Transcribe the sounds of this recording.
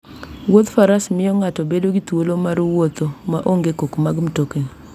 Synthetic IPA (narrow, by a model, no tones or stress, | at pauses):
wot̪faɾasmɪjɔŋatɔbedoɡit̪wolomaɾwot̪omaʔoŋɡekokmaɡmtokeni